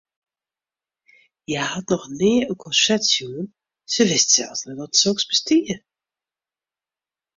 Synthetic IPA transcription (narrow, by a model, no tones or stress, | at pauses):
jahatnɔχneːəkʰɔʃɛtsjuən | səʋɪstsɛ̰lˠsnɛtɔtsoksbəstiː